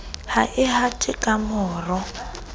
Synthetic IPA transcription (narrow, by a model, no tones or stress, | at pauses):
haʔɪɦatʼɪkʼamɔːrɔ